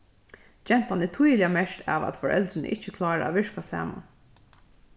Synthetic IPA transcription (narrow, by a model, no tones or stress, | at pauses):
d͡ʒɛn̥t̪anɛt̪ʰujlɪamɛʂt̪ʰɑ̰ːʋæ̰t̪fɔɹʔɛ̰ld̪ɾɪnə̰ʔɪt͡ʃːəkʰlɑːɹa̰a̰ʋɪɹkasɑ̰ːma̰n